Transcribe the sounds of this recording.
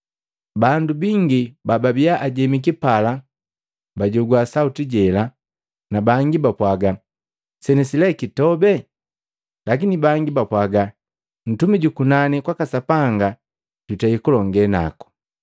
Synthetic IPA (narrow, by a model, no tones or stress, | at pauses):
bandubiŋɡibababiaʔaɟɛmik̬ipala | baɟɔɡwasautiɟɛla | nabaŋɡibapwaɡa | sɛnɛsilɛkitɔbɛ | lak̬inibaŋɡibapwaɡa | n̩tumiɟukunanikwakasapaŋɡa | ɟ̥utaikulɔŋɡɛna̰ku̥